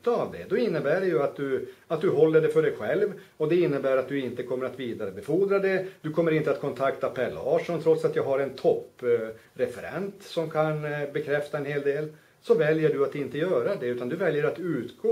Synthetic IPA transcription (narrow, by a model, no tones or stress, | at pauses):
t̪ːavd̪ɛ̰d̪ɔɪnːəbæːɖɛjɵat̪̚d̪ɵat̪̚d̪ɵɦɔlːəɖɛfœɖɛjɧɛlv | ɔd̪ɛɪnːəbæːɾat̪̚d̪ɵɪnt̪əkʰɔmːəɾat̪viːd̪aɾəbɛfuːd̪ɾad̪ɛd̪ɵkʰɔmːəɾɪnt̪əat̪kʰɔnt̪ʰakt̪apʰɛlːɑːʂɔnt̪ʰɾɔt̪sat̪jɑːɡɦaɾɛnt̪ʰɔpː | ɾɛfɛɾɛ̰nt̪sɔmkʰanbɛkʰɾɛft̪aɛnheːld̪eːl | sɔvɛljəɖɵat̪ɪnt̪əjœːɾad̪ɛʉ̟ːt̪and̪ɵvɛljəɾat̪ʉ̟ːt̪ɡoː